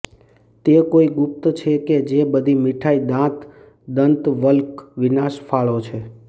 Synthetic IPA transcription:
t̪ekoiɡʊp̚t̪t͡ʃʰeked͡ʒebəd̪ʱimiʈʰaid̪ãt̪ | d̪ənt̪ʋəlkʋinaʃfaɭot͡ʃʰe

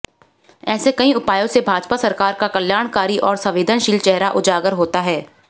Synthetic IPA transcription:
ɛːsekɐɦĩʊpaːjõsebʱaːd͡ʒpasɐɾkaːɾkakɐljaːɽ̃kaːɾiʔɔːɾsɐ̃ʋeːd̪ʱənʃiːlt͡ʃɛɦɾaʔʊd͡ʒaːɡəɾɦoːt̪aɦɛː

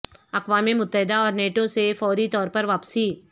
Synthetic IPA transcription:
ɐkʋaːmemʊt̪ːəɦɪd̪aɔːɾneːʈosefɔːɾit̪ɔːɾpɐɾʋaːpsiː

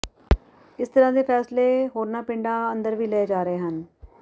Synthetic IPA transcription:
ɪst̪əɾãːd̪eːpʰɛːsleːɦoːɾnaːpɪɳɖaːənd̪əɾʋiːleːed͡ʒaːɾəeːɦən

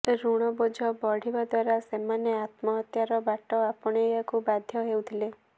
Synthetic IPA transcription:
ɾuɽ̃ɔbod͡ʒʱɔbɔɽ̤ibad̪waɾasemaneat̪mɔɦɔt̪jaɾɔbaʈɔapɔɽ̃ejakubad̪ʱjɔɦewt̪ʰile

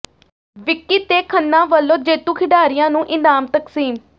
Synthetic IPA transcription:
ʋɪkːiːt̪eːkʰənːãːʋəlːõːd͡ʒeːt̪ũːkʰɪɖaːɾɪjãːnũːʔɪnaːmt̪əksiːm

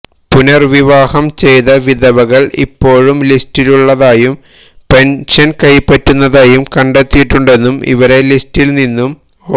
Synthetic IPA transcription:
punɐrʋiʋaːhɐmt͡ɕe̞jðɐʋiðɐʋɐɣɐɭḭpːo̞ːɻumlistiluɭːɐðaːjum | pe̞nʂɐnkɐjpːɐtːunːɐðaːjumkɐɳɖet̪ːijiʈːuɳɖe̞nːumḭʋɐɾe̞listːilninːum

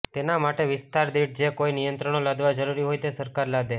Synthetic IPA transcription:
t̪enamaʈeʋɪst̪aɾd̪iʈ̚d͡ʒekoinijənt̪ɾəɳ̃olad̪ʋad͡ʒəɾuɾiɦojt̪esəɾkaɾlad̪e

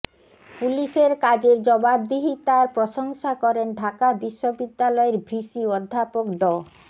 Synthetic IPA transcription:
puliʃeɾkad͡ʑeɾd͡ʑɔbab̚d̪iɦit̪aɾpɾoʃoŋʃakɔɾenɖʱakabiʃːobid̪ːalɔeɾbʱɾiʃiod̪ʱːapokd̪ɔ

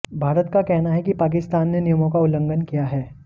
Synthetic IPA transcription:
bʱaːɾət̪kakɛɦnaɦɛkipaːk̬ɪst̪aːnːenijəmõkaʊlə̃ŋɡənkijaɦɛː

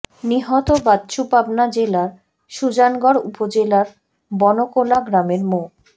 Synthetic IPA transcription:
niɦɔt̪obadɕupabnad͡ʑelaɾ | ʃud͡ʑanɡɔɾupod͡ʑelaɾ | bɔnokolaɡɾameɾmo

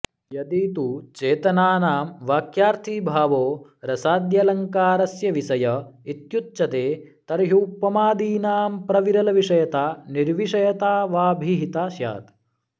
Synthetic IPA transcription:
jɐd̪iːt̪ut͡ʃeːt̪ɐnaːnaːmʋaːkjaːɾt̪ʰiːbʱaːʋoːɾɐsaːd̪jɐlɐŋkaːɾɐsjɐʋisɐjɐit̪jutːt͡ʃɐt̪eːt̪ɐɾɦuːpːɐmaːd̪iːnaːmpɾɐʋiɾɐlɐʋiʂɐjɐt̪aːniɾʋiʂɐjɐt̪aːʋaːbʱiɦit̪aːʃja̰ːt̪

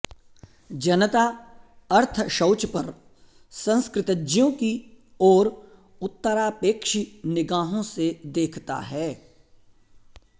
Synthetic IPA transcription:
d͡ʒɐnət̪aɐɾt̪ʰʃɐːt͡ʃpɐɾ | sɐ̃nskɾɪt̪əd͡ʒjõki | ɔːɾ | ʊt̪ːəɾaːpeːkʃinɪɡaːɦõsed̪eːkʰt̪a̰ɦɛː

